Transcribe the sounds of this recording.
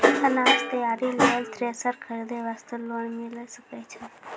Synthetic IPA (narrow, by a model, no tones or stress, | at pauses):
ənad͡ʒt̪əjaɾiləlt̪ɾesəɾkʰəɾid̪eʋast̪ulonmiləsəket͡ʃʰe